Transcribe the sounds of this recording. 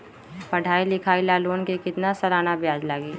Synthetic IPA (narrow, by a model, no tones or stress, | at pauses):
pɐɽʱaːilɪkʰaːilaːloːnkekɪt̪nasɐɾaːnabjaːd͡ʒlaːɡiː